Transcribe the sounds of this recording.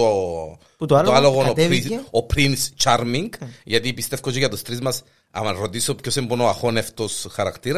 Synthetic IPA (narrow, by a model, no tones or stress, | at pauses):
o | t̪lt̪oaloɣonnot̪iopɾinst͡ʃaɾmiŋɡʝɐt̪ipist̪e̞fkot͡ʃeʝɐt̪ust̪ɾizmɐs | ɐ̰mɐɾo̞t̪isopçosembonoɐxo̞neft̪osxɐɾɐkt̪iɾɐ